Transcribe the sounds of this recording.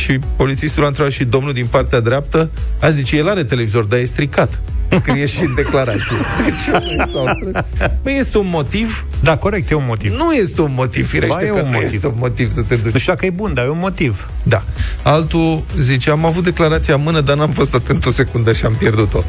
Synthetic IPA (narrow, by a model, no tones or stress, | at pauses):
ʃipo̞lit̪sist̪ulanɾevat̪ʃid̪o̞mnuld̪inpart̪ead̪ɾʲap̚t̪əazit͡ʃejelaɾe̞t̪e̞le̞vizo̞rd̪aje̞st̪ɾikat̪ | skɾijeʃiɨnd̪e̞klaɾat̪sijeet͡ʃesaw̪ɾebəje̞st̪eunmo̞t̪iv | d̪ako̞ɾek̚t̪jeunmot̪inuje̞st̪e̞unmo̞t̪iv̥fiɾeʃejeuneit̪eunmo̞t̪iv̥sət̪ed̪uʃd̪akəjebund̪ajeunmo̞t̪iv | d̪aalt̪uzit͡ʃeamavut̪̚d̪e̞klaɾat̪sijamɨnəd̪anuamfo̞st̪at̪ɨnt̪ose̞kund̪əʃiampje̞rd̪ut̪o̞